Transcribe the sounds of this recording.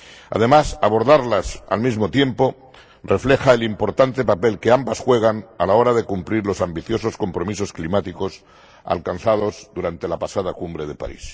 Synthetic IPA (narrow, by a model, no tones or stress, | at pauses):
a̰ð̞e̞masaβo̞ɾðaɾlasa̰lmizmo̞t̪je̞mpo̞ | re̞fle̞xaelimpo̞ɾt̪ant̪e̞pape̞lkeambasxwe̞ɣ̞analao̞ɾaðe̞kumpliɾlo̞sambiθjo̞so̞sko̞mpɾo̞miso̞sklimat̪iko̞s | a̰lkanθað̞o̞zd̪uɾant̪e̞lapasaðakumbɾe̞ð̞e̞pa̰ɾḭs